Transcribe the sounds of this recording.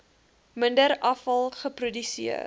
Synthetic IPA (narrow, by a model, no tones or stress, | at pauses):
məndəɾɐfɐlˠχəprudysiə